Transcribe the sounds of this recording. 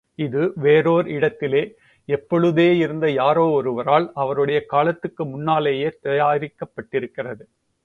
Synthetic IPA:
ɪðɯʋeːɾoːɾɪɽɐt̪ːɪleː | ɛpːɔɭɯðeːɪɾɯnd̪ɐjaːɾoːɔɾɯʋɐɾaːlɐʋɐɾɯɽɐjɐkaːlɐt̪ːɯkːɯmʊnːaːleːjeːt̪ɐjaːɾɪkːɐpːɐʈːɪɾɯkːɪrɐðɯ

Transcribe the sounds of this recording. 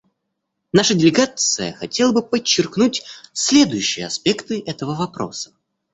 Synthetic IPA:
naʂədʲɪlʲɪɡat̪sɨjə̰xɐtʲelˠəbɨpət͡ɕːɪrknutʲsʲlʲe̞d̪ʊjʉɕːɪjəɐspʲe̞kt̪ɨʔɛt̪əvəvɐpɾo̞̰sə̥

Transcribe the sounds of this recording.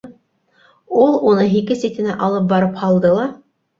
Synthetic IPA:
ulˠunɤɦikɘsit̪ʲɘ̆næʔɑlˠɤp̚bɑɾɤphɑlˠd̪ɤlˠɑ

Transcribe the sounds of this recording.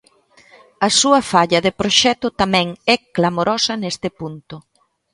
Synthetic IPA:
ɐsuɐfaʎɐðɪpɾoʃɛt̪ʊt̪amɛ̃ŋɛklamoɾɔsɐnest̪ɪpunt̪ʊ

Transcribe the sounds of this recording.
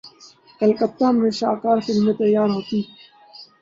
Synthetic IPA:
ɐlkɐt̪ːamɾeɕaːkaːɾfilmet̪ɐjaːɾɦot̪iː

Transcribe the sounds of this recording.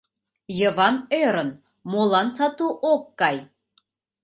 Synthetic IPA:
jəβɑnøɾən | molˠɑnsɑt̪uʔokːɑj

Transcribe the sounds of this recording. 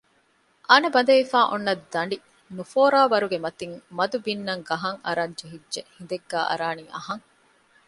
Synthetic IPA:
ʔɐnɐbɐnd̪ɐʋifaːʔonːɐd̪ːɐɳɖi | nufoːɾaːʋɐɾuɡemɐt̪iŋmɐd̪ubinːɐŋɡɐɦɐŋɐ̰ɾɐɲd͡ʒeɦidʒehind̪eɡːæːʔɐ̰ɾaːniʔɐ̰ɦɐŋ

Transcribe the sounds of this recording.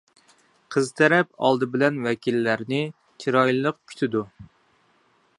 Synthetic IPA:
qʰəzt̪ʰɛɾɛp̚ɑ̰lˠd̪ɨbɪlɛnwɛkʲilːæɾnɪ | t͡ʃʰiɾɑjlˠəq̚kʲʰy̥t̪ʰɪd̪u

